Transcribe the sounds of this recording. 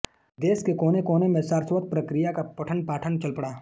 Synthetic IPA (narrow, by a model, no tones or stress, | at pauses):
d̪eːskekoːnekoːnemẽsaːɾswət̪̚pɾəkɾɪjakapɐʈʰənpaːʈʰənt͡ʃɐlpəɽaː